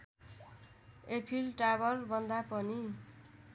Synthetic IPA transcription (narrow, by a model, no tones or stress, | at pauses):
epʰilʈabʌrbʱʌnd̪apʌni